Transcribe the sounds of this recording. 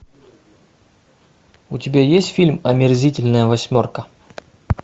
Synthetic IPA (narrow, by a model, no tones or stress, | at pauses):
ʊtʲɪbʲajesʲtʲfʲilʲmɐmʲɪrzʲitʲɪlʲnəjəvɐsʲmʲorkə